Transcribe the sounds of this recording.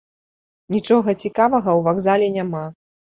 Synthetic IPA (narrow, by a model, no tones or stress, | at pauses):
nʲit͡ʂɔɣɐt͡sʲikavɐɣɐwvaɡzalʲɛnʲama